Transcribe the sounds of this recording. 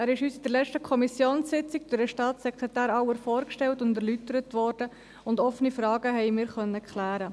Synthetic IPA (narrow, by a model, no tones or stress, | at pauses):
æːɾɪʃhyːsid̥ɛɾlɛt͡ʃtəkʰɔmisjoːnsɪt͡sɪɡ̚dʏɾdəʃtɑːtsɛkʰɾɛtæːɾɑʊwəɾfɔːɾkʃtɛltʊndɛɾlytəɾətʋɔːɾd̥ə | ʊndɔfənifrɑːɡəɦɛɪmɪːɾχœnːəkχlæːɾə